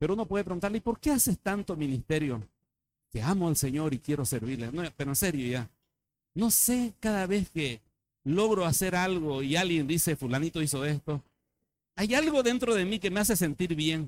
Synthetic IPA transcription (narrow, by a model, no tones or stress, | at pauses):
peɾounopweðep̬ɾeunt̪aɾleipo̞ɾke̞asest̪ant̪omĩnist̪e̞ɾjo | keamoalseɲo̞ɾikje̞ɾoseɾβiɾlenopeɾoense̞ɾjoʝa | no̞se̞kaðaβe̞ske | lo̞ɣɾoase̞ɾalɣoialɣje̞nd̪ise̞fulanit̪ois̬oest̪o | ajalɣo̞ðe̞nt̪ɾoðe̞mike̞me̞as̬e̞s̬e̞nt̪iɾβje̞ŋ